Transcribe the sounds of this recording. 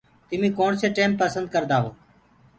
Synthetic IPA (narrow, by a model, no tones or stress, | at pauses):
t̪ɪmĩːkoːɳseːʈeːmpəsənd̪̚kəɾd̪aːɦoː